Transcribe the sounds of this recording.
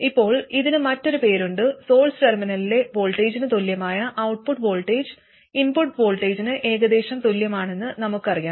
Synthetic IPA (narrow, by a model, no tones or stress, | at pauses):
ipːo̞ːɭiðinɨmɐtːo̞ɾupe̞ːɾuɳɖɨso̞ːlsɨʈerminɐlile̞bo̞ːɭʈːe̞ːd͡ʑinɨt̪oljɐmaːjɐʔɐwʈ̚puʈːbo̞ːɭʈːeːd͡ʑɨ | inpuʈːbo̞ːɭʈːeːd͡ʑinɨʔe̞ːɣɐd̪e̞ːɕɐmt̪oljɐmaːɳe̞nːɨnɐmukːɨɐrijaː